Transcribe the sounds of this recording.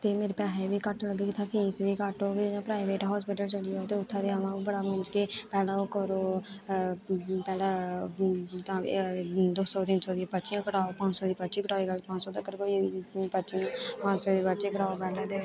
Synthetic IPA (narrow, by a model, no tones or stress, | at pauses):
t̪eːmeːɾepaːɦeʋiːkəʈːləɡeːkɪt̪ʰãːpʰiːsʋiːkaʈoːɡed͡ʒãːpɾaːɪʋeːʈɦɔːspɪʈəlt͡ʃəɽijot̪eːʊt̪ʰːãd̪eːəmãːbəɽaːmʊ̃nd͡ʒkeːpɛːlaːokəɾoː | pɛːlaː | t̪ã̰ːd̪oːsɔːt̪ɪnsoːd̪ipəːʃijãːkəʈaːopãːt͡ʃsɔːd̪iːpəʃiːkəʈaːiːkəlpãːt͡ʃsɔːt̪əkːəɾkoːipəːʃijãːpãːt͡ʃsoːd̪iːpətːt͡ʃiːkəʈaːopɛːlad̪e